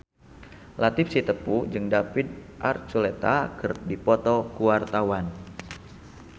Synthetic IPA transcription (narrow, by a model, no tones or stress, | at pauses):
lat̪ɪfsit̪əpud͡ʒɨŋdafid̪̚ʔa̰rt͡ʃulet̪akɨrdipɔt̪ɔkuwart̪awan